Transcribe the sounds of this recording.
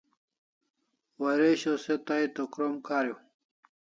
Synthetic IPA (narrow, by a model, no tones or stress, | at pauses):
wɐɾeɕoset̪ajt̪okɾomkʰaːɾjo